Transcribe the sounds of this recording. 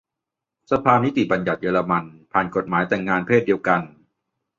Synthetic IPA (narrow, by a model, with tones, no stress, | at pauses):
sa˧pʰaː˧ni˦˥t̪i˨˩ba˧nja˨˩t̪̚jɤː˧la˧ma˧npʰaː˨˩nko˨˩t̪̚maː˩˦jt̪ɛː˨˩ŋːaː˧npʰeː˥˩t̪̚di˧əwka˧n